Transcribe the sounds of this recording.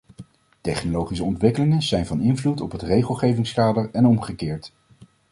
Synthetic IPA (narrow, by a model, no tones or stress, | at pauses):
tɛχnolowχis̬əɔntʋɪkəlɪŋənzɛjnvɑnɪnvlutɔpɦətrejχəlˠχejvɪŋskaːdəɹɛnɔmχəkɪːɹt